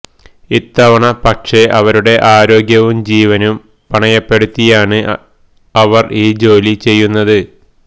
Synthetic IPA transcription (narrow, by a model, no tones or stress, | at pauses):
it̪ːɐʋɐɳɐpɐkʂe̞ʔɐʋɐɾuɽe̞ʔaːɾo̞ːɡjɐʋumd͡ʑiːʋɐnum | pɐɳɐjɐpːe̞ɽut̪ːijaːɳɨ | ɐʋɐrʔiːd͡ʑo̞ːlit͡ɕe̞jːunːɐðɨ